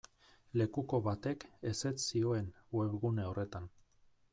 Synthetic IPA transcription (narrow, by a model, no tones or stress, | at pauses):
le̞kuko̞βat̪e̞ke̞se̞t̪sio̞e̞nwe̞βɣune̞o̞re̞t̪an